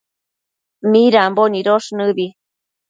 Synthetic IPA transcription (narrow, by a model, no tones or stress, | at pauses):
miɾamboniɾoʂnɨβi